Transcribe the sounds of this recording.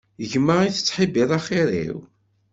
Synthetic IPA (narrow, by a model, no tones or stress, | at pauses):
əʝmːəʁiθə̥t͡sːħibiðˤɑχiɾḭw